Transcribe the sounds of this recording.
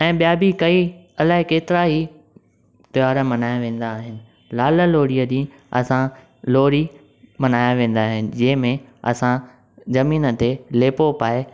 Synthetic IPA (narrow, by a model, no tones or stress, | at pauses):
ɛ̃ːɓijaːbikɐi | ɐlaːɦɪkeːt̪ɪɾaɦi | t̪ɪjaːɾəmɐnaːjãʋẽːn̆d̪aːɦɪnɪ̆ | laːlə̆loːɽiəɗĩː | ɐ̰sã | loːɽi | mɐnaːjãʋẽːn̆d̪aːɦɪnɪ̆d͡ʑɐ̃ɦɪ̃mẽɐ̰sã | zɐmiːnə̆t̪eleːpopaːe